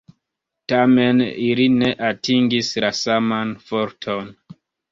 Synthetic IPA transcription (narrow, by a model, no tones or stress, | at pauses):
tame̞niline̞ʔatiŋɡislasamanfoɾtʰon